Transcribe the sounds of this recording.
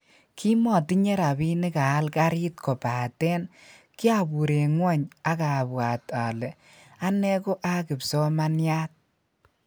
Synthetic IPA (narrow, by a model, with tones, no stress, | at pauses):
kʰi˦mɔ˨ti˦ɲɛ˦ɾa˨bi˦nɪ˦ka˨a˦lka˦ɾi˦t̚kɔ˨pa˨tɛ˦nki˦a˨bu˨ɾe˨ŋwɔ˦ɲa˦ka˨bwa˨ta˨lɛ˨ | a˦nɛ˦ko˦ʔa˦kɪ˨psɔ˦ma˦nja˦t̚